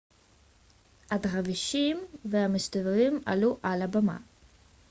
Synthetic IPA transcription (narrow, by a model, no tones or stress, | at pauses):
adʁaviʃimveamɨstavlima̰luʔalabama̰